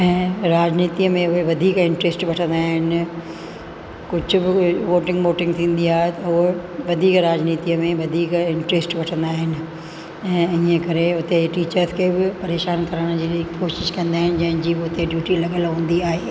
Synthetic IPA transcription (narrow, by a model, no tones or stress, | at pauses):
ɛ̃ːɾaːd͡ʑniːt̪iəmẽʊɦeʋɐd̪ʱiːkɪ̃ɳʈɾeːsʈʋɐʈʰə̃nd̪aːɦɪnɪ̆ | kʊd͡ʑʱʊ̆bɪʋoːʈɪ̃ŋɡʋoːʈɪ̃ŋɡt̪ʰĩːn̆d̪iaːɦet̪ɐɦʊeʋɐd̪ʱiːkɾaːd͡ʑniːt̪iəmẽʋɐd̪ʱiːkɪ̃ɳʈɾeːsʈʋɐʈʰə̃nd̪aːɦɪnɪ̆ | ɛ̃ːɪ̃ːə̃kɐɾeʊt̪eʈiːt͡ɕəɾzkʰeːbɪpɐɾeːʃaːnkɐɾəɽ̃d͡ʑiːkoːʃɪʃkɐ̃nd̪aːɦɪnɪ̆d͡ʑɐ̃ɦɪ̃nd͡ʑiːbɪʊt̪eɖjuːʈilɐɠəlɦũːn̆d̪iaːɦeː